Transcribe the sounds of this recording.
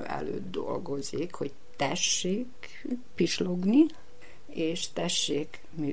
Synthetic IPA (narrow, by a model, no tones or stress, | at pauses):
ɛ̰lø̰ːd̪d̪o̰lɡo̞zikho̞ɟ̚ | t̪ɛʃːeːk | piʃloɡni | eːʃt̪ɛʃːeːk | myː